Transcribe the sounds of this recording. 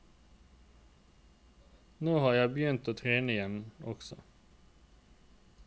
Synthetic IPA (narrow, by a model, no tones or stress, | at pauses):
noːhɑːjæɪbəjʏnt̪oːt̪ʰʁeːnəɪjɛnɔksɔ̰